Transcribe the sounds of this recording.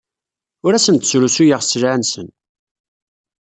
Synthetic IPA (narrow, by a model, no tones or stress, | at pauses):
ʊɾæsənt̪ə̥sɾusujiʁsəlʕansə̰n